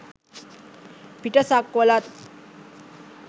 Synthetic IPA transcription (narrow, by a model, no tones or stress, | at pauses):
piʈasakːɔlat̪